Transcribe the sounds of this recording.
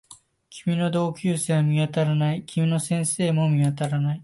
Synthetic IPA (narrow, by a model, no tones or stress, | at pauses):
kʲʰimʲino̞d̪o̞ːkʲɨːseːmʲiβat̪aɾanaikʲimʲino̞sẽ̞ɰ̃se̞ːmo̞mʲiβat̪aɾanai